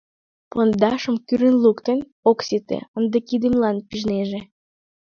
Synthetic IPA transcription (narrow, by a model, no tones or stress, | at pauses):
pond̪ɑʃəmkyɾənlukt̪en | oksit̪ḛənd̪əkid̪imlɑnpiʒneʒe